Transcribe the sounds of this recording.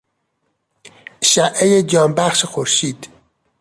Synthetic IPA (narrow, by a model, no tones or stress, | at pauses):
ʃæʔejed͡ʒɒːnbæχʃxoɾʃiːd̪